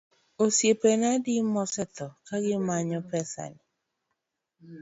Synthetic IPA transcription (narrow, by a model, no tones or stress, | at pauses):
osjepenadimɔsɛt̪ɔkaɡɪmaɲɔpɛsa̰ni